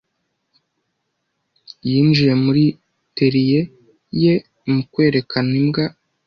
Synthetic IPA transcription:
jiːnd͡ʒije̞muɾi | teɾije | je̞ | mukwe̞ːɾe̞kanimɡa

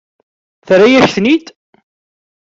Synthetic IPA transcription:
θrajæçθnit̪

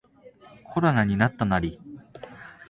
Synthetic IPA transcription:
kʰo̞ɾonaɲ̟inat̪ːanaɾʲi

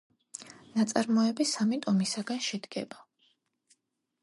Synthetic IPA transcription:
nat̪sʼaɾmɔɛbisamit̪ʼɔmisaɡanʃɛd̪ɡɛ̰ba

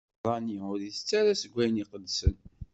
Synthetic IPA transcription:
ðˤɑniʊɾiθə̥t͡sːaɾæsəɡʷːæjniqəd̪sə̰n

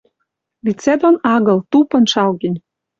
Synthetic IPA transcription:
lit͡sed̪onɑɣɤ̆lt̪upɤ̆nʃɑlɡɘnʲ

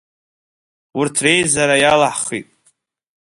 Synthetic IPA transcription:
ʊrtʰre̞jzaɾajalaħχḭtʼ

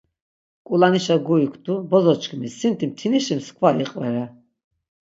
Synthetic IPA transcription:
kʼulaniʃaɡuikʰt̪ʼubɔzɔt͡ʃkʼmisint̪ʰʼimt̪ʰiniʃimskʰvaiqʼvɛɾa

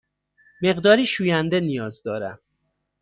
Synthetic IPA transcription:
me̞ɣd̪ɒːɾiːʃuːjænd̪e̞nijɒːzd̪ɒːɾæm

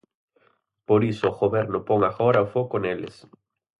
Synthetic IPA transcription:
poɾisʊːɣoβɛɾnʊpoŋaxɔɾaofokʊnelɪ̰s

